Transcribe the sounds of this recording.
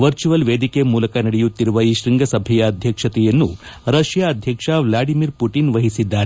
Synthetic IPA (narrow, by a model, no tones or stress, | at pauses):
ʋɐɾt͡ʃuʋɐlʋeːd̪ʱikemuːlɐkɐnɐɽɛjut̪ːiɾuʋɐiʃɾiŋɡʱɐsɐbʱɛjɐːd̪ʱjɐkʂɐt̪ɛjɐnːuɾɐʃjaːd̪ʱjɐkʂɐʋlaːɖimiɾpuʈinʋɐɦisid̪ːaːɾe